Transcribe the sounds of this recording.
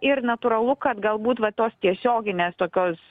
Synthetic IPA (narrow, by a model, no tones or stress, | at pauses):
ɪɾnɐt̪uɾɐlˠʊkɐt̪ɡɐlˠbuːt̪ʋɐt̪oːst̪ʲiɛsʲoːɡʲɪnʲeːst̪oːkʲoːs